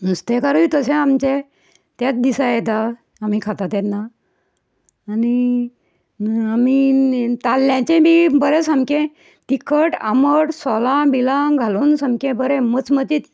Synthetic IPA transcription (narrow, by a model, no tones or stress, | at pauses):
nust̪ekaɾuit̪əsẽamt͡ɕe | t̪jat͡s̪d̪isajɛt̪a | amikʰat̪at̪jat̪na | ni | amit̪alːjãt͡ɕẽbibəɾɛsəmkẽ | t̪ikʰəʈa̰məɽsɔlãbilãɡʱalonsəmkẽbəɾɛ̃mət͡smət̪iːt̪